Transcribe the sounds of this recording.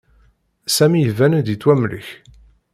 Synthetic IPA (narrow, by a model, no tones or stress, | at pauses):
sæmijəvænd̪it͡s̪ːwæmlə̰ç